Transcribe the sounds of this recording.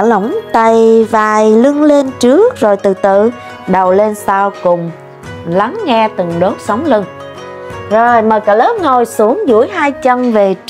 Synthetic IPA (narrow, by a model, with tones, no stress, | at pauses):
lə˧˩wŋ͡mt̪a˨˩jvaː˨˩jlɨ˧ŋle˧nt͡ɕɨ˦˥ək̚zo˨˩jt̪ɨ˨˩t̪ɨ̰˧˨ | ɗə˨˩wle˧nsaː˧wkʊ˨˩ŋ͡m | la˨˦ŋːɛ˧t̪ɨ˨˩ŋɗo˦˥t̚sə˨˦wŋ͡mlɨ˧ŋ | zo˨˩jməː˨˩kaː˧˩ləː˨˦˥p̚ŋo˨˩jsu˨˦əŋzṵ˧˥əjhaː˧jt͡ɕə˧mve˨˩